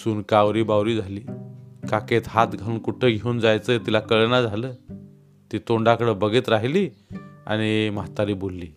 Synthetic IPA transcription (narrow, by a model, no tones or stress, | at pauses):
suːnkaʋɾiːbawɾiːd͡zʱaliːkaket̪ɦat̪ɡʱauːnkuʈʰeɡʱeund͡zajt͡sət̪ilakəɭnad͡zʱaləː | t̪iːt̪oɳɖakəɽəbəɡʱiːt̪ɾaɦiliːa̰ɽ̃imaɦt̪aɾiːbolːiː